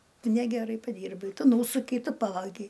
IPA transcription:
ˈtʊ ˈnʲæːɡʲɛˌrɐɪ pɐˈdʲiːrbɐɪ ˈtʊ ˈnuːsʊkʲɛɪ ˈtʊ ˈpɑːʋɐɡʲɛɪ

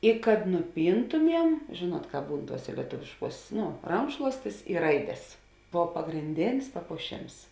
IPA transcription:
ɪ kɐt nʊˈpʲiːntʊmʲiɛm ˈʒʲeːˌnuɔt ˈkɑːp ˈbuːn ˈtuɔsʲeː lʲiɛˈtʊʋʲɪʃˌkuɔs ˈnoː ˈrɐŋkʃlˠuɔsʲtʲɪs ɪ ˈrɐɪdʲɛs ˈboːw pɐɡrʲɪnʲˈdʲeːnʲɪs pɐpuɔˈʃʲeːms

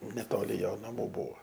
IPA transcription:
nʲɛˈtoːlʲɪ ˈjoː nɐˈmuː ˈbuːʋoː

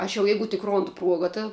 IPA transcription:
ˈɐʃ jɛʊ ˈjɛɪɡʊ tʲɪk ˈroːndʊ ˈpruɔɡɐ tɐ

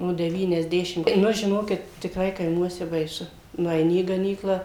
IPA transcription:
noː dʲɛʋʲiːnʲɛzʲˈdʲæːʃʲɪm ˈnʊ ʒʲɪˈnoːkʲɪt tʲɪkˈrɐɪ kɐɪˈmuɔsʲɛ bɐɪˈsʊ nʊɛɪˈnʲɪ iː ɡɐˈnʲiːklˠɑː

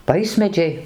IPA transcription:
ˈʋɐɪsʲmʲɛd͡ʒʲɛɪ

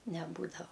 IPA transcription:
nʲɛˈbuːdɐʋɐ

